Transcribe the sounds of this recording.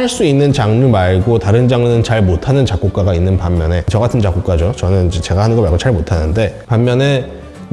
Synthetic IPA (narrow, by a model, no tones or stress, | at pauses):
aɭs͈uinːɯnt͡ɕaŋɯɭmaɭɡotaɾɯnd͡ʑaŋɯnɯnt͡ɕaɭmotʰanɯnt͡ɕak͈ok͈aɡainːɯnpamːjʌne̞t͡ɕʌɡatʰɯnt͡ɕak͈ok͈ad͡ʑot͡ɕʌnɯnid͡ʑet͡ɕe̞ɡahanɯnɡʌmaɭɡot͡ɕaɭmotʰanɯnde̞pamːjʌne̞